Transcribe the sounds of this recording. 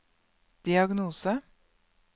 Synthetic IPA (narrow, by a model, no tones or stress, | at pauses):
d̪̥ɪɑɡnuːsə